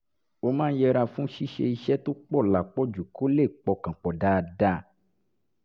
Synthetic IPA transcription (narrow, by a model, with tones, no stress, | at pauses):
o˧mãː˦n̩˦jɛ˧ɾa˧fũ˦ʃi˦ʃe˧i˧ʃɛ˦to˦k͡pɔ˦˨la˨k͡pɔ˦d͡ʒu˨ko˦le˦˨k͡pɔ˨˧kã˨k͡pɔ˨da˦˧da˦˨